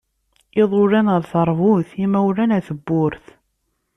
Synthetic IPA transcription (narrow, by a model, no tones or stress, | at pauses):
ɪðˤʊɾænəɾˤθəɾˤvʊθimæwɾænæθəbːʊɾθ